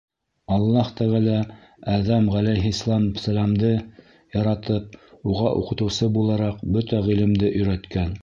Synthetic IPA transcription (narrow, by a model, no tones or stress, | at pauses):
ɑlˠːɑht̪æʁɘlæ | æðæmʁælæjɦislˠɑmsælæmd̪ɤ | jɑɾɑt̪ɤp̚uʁɑʔuqɤ̆t̪ɤ̆wsɤbulˠɑɾɑqbɵt̪æʁilɘ̆md̪ɘʔɵ̆jɾæt̪kæn